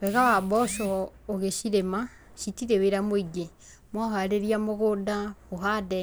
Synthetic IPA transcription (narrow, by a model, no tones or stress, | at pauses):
wɛɣawabɔʃɔoɣeʃiɾema | ʃitiɾeweɾamoiɡe | mwɔɦaɾeɾiamoɣodamoɦadɛ